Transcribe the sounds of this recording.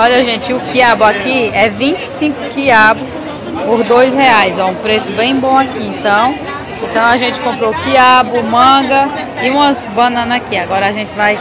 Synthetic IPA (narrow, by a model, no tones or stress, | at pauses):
ɔʎɐʒẽt͡ʃɪʊkiabʊakiɛvĩt͡ʃɪ̥sĩkʊ̥kiabʊs | poɾd̪ojsheajzɔũpɾesʊbẽj̃bõakiẽt̪ɐ̃w̃ | ẽt̪ɐ̃w̃aʒẽnt͡ʃɪ̥kõmpɾokiabʊmɐ̃ɡɐ | ɪũmɐsbɐ̃nɐ̃nakiaɡɔɾɐaʒẽt͡ʃɪvaj